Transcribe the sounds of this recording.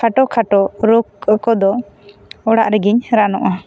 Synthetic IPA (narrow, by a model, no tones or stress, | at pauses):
aʈɔkʰaʈɔɾokkɔd̪ɔ | ɔɽa̰ʔɾɛɡiɲɾanɔʔa